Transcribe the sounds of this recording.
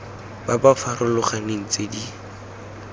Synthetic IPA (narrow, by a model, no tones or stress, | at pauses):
babafarʊlʊχaneŋ̩t͡sedi